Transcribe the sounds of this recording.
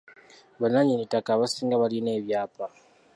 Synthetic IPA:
βanaɲinitakaβasiːŋɡaβalineβjaːpa

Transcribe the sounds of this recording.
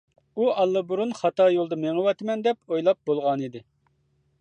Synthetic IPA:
uɑlˠːɨbuɾunχɑt̪ɑjolˠd̪ɨmeŋəwɑt̪mɛnd̪ɛpojlˠɑp̚bolˠʁɑnid̪ɪ

